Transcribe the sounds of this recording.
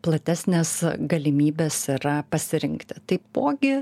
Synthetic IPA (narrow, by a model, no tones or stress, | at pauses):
plˠɐt̪ʲæsʲnʲeːsɡɐlʲɪmʲiːbʲeːsiɾɐpɐsʲɪɾʲɪŋkt̪ʲɪt̪ɐɪpoːɡʲɪ